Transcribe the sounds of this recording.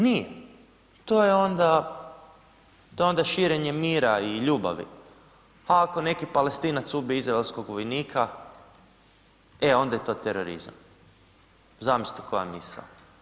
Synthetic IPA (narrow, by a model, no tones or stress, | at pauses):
nije | t̪o̞ːjeo̞nd̪a | t̪o̞jeo̞nd̪aʃiɾeɲe̞miːɾaiʎuːba̰ʋḭ | aːko̞ne̞kipalest̪iːnat̪subiizɾaelsko̞ɡʋojniːkʰa | e̞o̞nd̪ajet̪o̞ːt̪eɾoɾḭza̰m | zamisi̥t̪ako̞ja̰misa̰